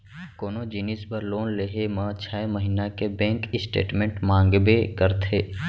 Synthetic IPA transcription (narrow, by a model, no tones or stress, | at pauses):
koːnod͡ʒiːnɪspəɾloːnleːɦemə̃t͡ʃʰaːeməɦinakebɛ̃ːŋkɪsʈḛːʈmẽɳʈmãːŋɡbekəɾt̪ʰeː